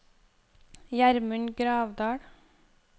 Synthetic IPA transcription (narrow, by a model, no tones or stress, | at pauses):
jæɾməɳɡɾɑːʋd̪ɑːɽ